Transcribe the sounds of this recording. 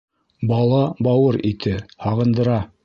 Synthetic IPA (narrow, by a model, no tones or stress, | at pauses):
bɑlˠɑbɑwɤɾit̪ʰɘhɑʁɤ̆nd̪ɤ̆ɾɑ